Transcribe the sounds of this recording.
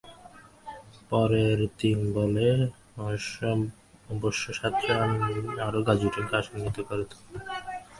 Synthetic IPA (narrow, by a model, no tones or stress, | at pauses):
pɔɾeɾt̪inbole | ɔʃɔ | boʃːoʃat̪ɾoamaɾoɡad͡ʑuʈeŋkaʃonɡit̪okoɾet̪ʰo̥ke